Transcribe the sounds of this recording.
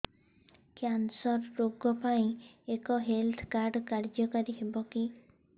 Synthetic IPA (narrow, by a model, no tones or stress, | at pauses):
kjansɔɾːoɡɔpaĩekɔɦelt̪ʰkaɾɖkaɾd͡ʒɔkaɾiɦebɔki